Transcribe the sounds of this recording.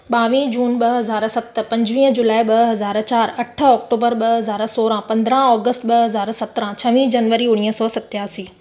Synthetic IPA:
ɓaːʋĩːd͡ʑuːnɓɐɦɐzaːɾsɐt̪̆pɐ̃ɲd͡ʑʋĩːɦd͡ʑʊlaːɪɓɐɦɐzaːɾt͡ɕaːɾɐʈ̆ʰɔːk̚ʈoːbəɾɓɐɦɐzaːɾsoːɾãpɐ̃nd̪ɾãɔːɡəsʈɓɐɦɐzaːɾsɐt̪ɾãt͡ɕʰɐʋĩːd͡ʑɐnʋəɾiʊɽ̃iə̆sɔːsɐt̪jaːsiː

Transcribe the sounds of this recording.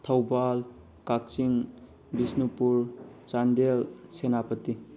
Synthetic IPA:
t̪ʰɐwbal | kak̚t͡ʃiŋ | bisnupuɾt͡ʃandelsenapətːi

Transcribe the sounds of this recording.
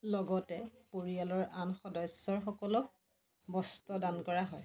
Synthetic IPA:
lɔɡɔtɛpoɹialɔɹʔanxɔdɔsːɔɹxɔkɔlɔk̚ | bɔstɔdankɔɹaɦɔj

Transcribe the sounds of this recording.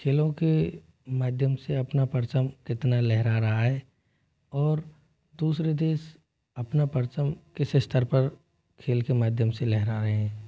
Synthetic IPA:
kʰeːlõke | maːd̪ʱjəmseɐpnapəɾt͡ʃəmkɪt̪nalɛɦɾaɾɐɦaɦɛː | ɔːɾ | d̪uːsɾed̪eːs | ɐpnapəɾt͡ʃəmkɪsɪst̪ʰəɾpəɾ | kʰeːlkemaːd̪ʱjəmselɛɦɾaɾɐɦeɛ̃ː

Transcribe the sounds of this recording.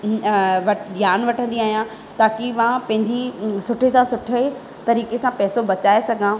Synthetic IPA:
ʋɐd͡ʑaːnʋɐʈʰə̃nd̪iaːɦjã | t̪aːkimãːpɐ̃ɦɪ̃ɲd͡ʑisʊʈʰesãsʊʈʰə | t̪ɐɾiːkesãpɛːsobɐt͡ɕaːesɐɡʱãː

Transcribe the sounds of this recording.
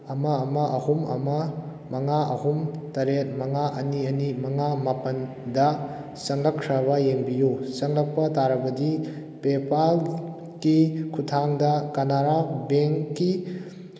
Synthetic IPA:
ɐmɐɐmɐʔɐhumɐ̰mɐ | mɐŋaʔɐ̰humtɐɾet̚mɐŋaʔɐniɐnimɐŋamapɐn | dɐ | sɐŋlɐkʰɾɐbɐjeŋbijusɐŋlɐk̚pɐtaɾɐbɐdi | pepal | kikʰutʰaŋdɐkɐnaɾabeŋkːi

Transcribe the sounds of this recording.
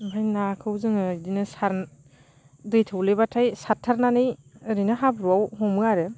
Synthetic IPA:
bʰʱajnakʰɯwzɯŋɯjdinɯsaɾ | dɯjtʰɯwlebatʰajsatʰːaɾnanɯjɯɾinɯɦabɾuawhɔmɯaɾe

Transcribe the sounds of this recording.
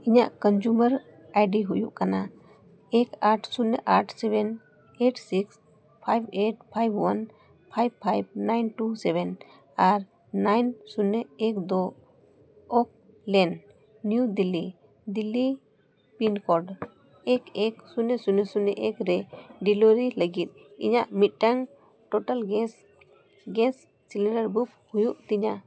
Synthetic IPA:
iɲaʔkənd͡ʒuməɾ | ajɖiɦujuʔkana | ɛkaʈʰsunəʔaɾʈʰsɛbɛn | eʈsiks | pʰajbeʈ̚pʰajbwan | pʰajb̚pʰajb̚najnʈusɛbɛn | aɾ | najnsunɛɛkd̪ɔ | ɔk̚ | lɛnː | jud̪ili | d̪ili | pinkɔɾɖ | ɛkɛksunɛsunɛsunɛʔɛkɾɛɖilɔɾiləɡit̪̚ḭɲaʔmit̪̚ˀʈaŋ | ʈɔʈalɡɛs | ɡɛ̃nsː | ilɛɳɖaɾbuk̚hujuʔt̪iɲa

